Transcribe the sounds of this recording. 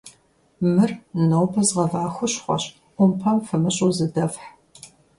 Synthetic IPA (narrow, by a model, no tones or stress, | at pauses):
mɨrnɐwbɐzʁɐvaːxʷʊɕχʷɔ̰ɕ | ʔʷʊmpʰɐmfɨmɨɕʼuːzɨdɐfħ